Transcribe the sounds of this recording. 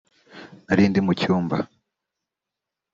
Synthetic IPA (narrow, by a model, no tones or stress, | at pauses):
naɾiːndimucuːmba